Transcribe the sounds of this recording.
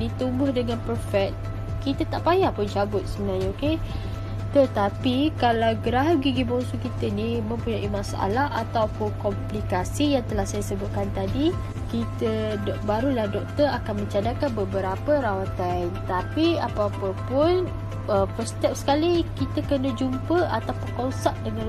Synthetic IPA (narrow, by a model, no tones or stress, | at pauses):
dit̪umbʊhdəŋãnpərfɛk̚t̪̚ | kit̪ət̪aʔpajaʔpʊnd͡ʒabʊt̪̚səbənarɲaoke | t̪ət̪apikalawɡəɾaɦaɡiɡibɔŋsukit̪ənimə̃mpuɲaʔimasaʔa̰laha̰t̪awpʊnkɔmplikasijaŋt̪əlahsajasəbʊt̪̚kant̪adi | kit̪əbaɾulahdɔk̚t̪ərakanmə̃ɲt͡ʃadakanbəbəɾapəɾawat̪ant̪apiapapəpʊn | əfəst̪ɛp̚sə̥kalikit̪əkənad͡ʒumpəʔat̪awpunkɔnsap̚dəŋã